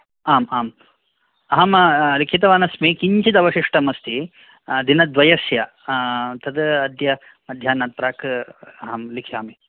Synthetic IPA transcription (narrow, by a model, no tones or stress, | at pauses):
aːmaːm | ɐɦɐmlikʰit̪̬ɐʋaːnɐsmikiɲt͡ʃid̪ɐʋɐʃiʂʈɐmɐst̪i | d̪inɐd̪ʋɐjɐsjɐ | t̪ɐd̪ɐd̪jɐ | mɐd̪ʱjaːnaːt̪̚pɾaːkɐɦɐmlikʰjaːmi